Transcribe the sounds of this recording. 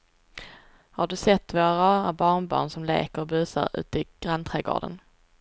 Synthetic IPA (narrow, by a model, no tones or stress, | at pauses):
haɖɵsɛt̪ːvoːɾabɑːɳbɑ̰ːɳsɔmlḛːkəɾɔbʉ̟ːsa̰ɾʉ̟̰ːt̪əɪɡ̥ɾant̪ʰɾɛːɡo̰ːɖə̰n